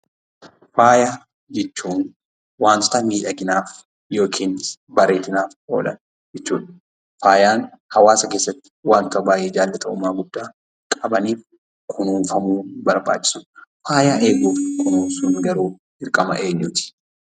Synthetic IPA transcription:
faːja | d͡ʒɛt͡ʃːuːn | waːnt̪ɔ̥t̪ɐmiːᶑɐɡɪnaːf | jo̞ːkʰiːnbɐɾe̞ːt̪ɪnaːfo̰ːlɐ̰n | d͡ʒɛt͡ʃːuːᶑɐ̥ | faːjaːn | hɐwaːsɐkeːsːɐt̪ːɪ̥waːŋkɐbaːjʔɛːd͡ʒaːlːɛt̪ʼɐʔʊmːaːɡʊd̪ːaː | kʼɐbɐniːf | kʰʊnuːnfɐmuːnbɐɾba̰ːt͡ʃːɪ̥sʊ̥faːjaːʔe̞ːɡuːfkʊnuːnsʊnɡɐɾuː | ɪɾkʼɐmɐ̰ʔe̞ːɲːʊt̪ɪ̥

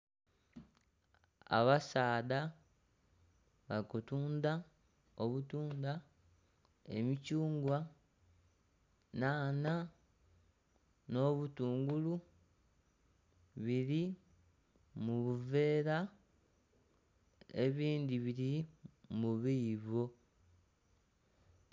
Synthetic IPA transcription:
a̰βasaːða | βakutuːnd̪a | oβutuːnd̪a | e̞̰micuːŋɡwa | naːna | no̞ːβutuːŋɡulu | βiɾi | muβuve̞ːɾa | e̞̰βiːnd̪iβiɾimuβiːβo̞

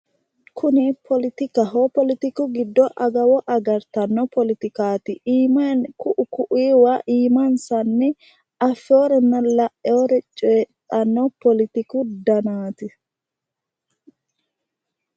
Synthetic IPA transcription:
kʰʊnɪpʰɔlɪt̪ɪkɐɦopɔlɪt̪ɪkʊɡɪd̪ːɔʔɐɡɐwɔʔɐɡɐɾt̪ɐnːɔpɔlɪt̪ɪkaːt̪ɪʔiːmɐnkʊʔʊkʊʔiːwaʔiːmɐnsɐnːɛ | ɐfːoːɾɛnːɐlɐʔɛoɾɛt͡ʃʼet̪ʼːɐnːɔpɔlɪt̪ɪkʊd̪ɐnaːt̪ɪ

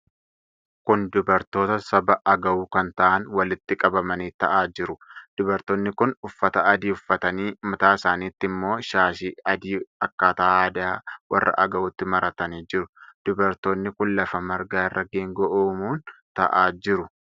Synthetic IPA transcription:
kʊnd̪ʊbɐɾt̪o̞ːt̪ɐsɐbɐʔɐɡɐwuːkɐnt̪ɐʔɐnwɐlɪt̪ːɪkʼɐbɐmɐniːt̪ɐʔaːd͡ʒɪɾʊd̪̥ʊbɐɾt̪oːnːɪkʊnʊfːɐt̪ɐːd̪iːʊfːɐt̪ɐniːmɐt̪aːɪsaːniːt̪ːɪmːo̞ːʃaːʃiːɐd̪iːɐkːaːt̪aaːd̪aːwʔɐ̰rːɐ̰ʔɐɡɐwʊt̪ːɪmɐɾɐt̪ɐniːd͡ʒɪɾʊd̪̥ʊbɐɾt̪oːnːɪkʊnlɐfɐmɐɾɡaːɪrːɐɡeːŋɡɔʔoːmuːnt̪ɐʔaːd͡ʒɪɾʊ

